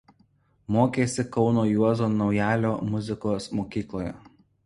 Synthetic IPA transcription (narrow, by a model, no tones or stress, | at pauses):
moːkʲeːsʲɪkɒʊnoːjuɔzoːnɒʊjæːlʲoːmʊzʲɪkoːsmoːkʲiːklˠoːjɛ̰